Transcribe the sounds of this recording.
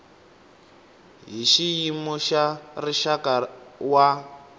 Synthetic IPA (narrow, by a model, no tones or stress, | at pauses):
ɦiʃijimɔʃariʃakawa